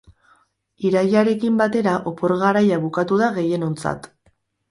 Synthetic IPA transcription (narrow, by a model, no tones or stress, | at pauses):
iɾajaɾe̞kimbat̪e̞ɾaʔo̞po̞ɾɣaɾajaβukat̪uðaɣe̞je̞no̞nt͡sa̰t̪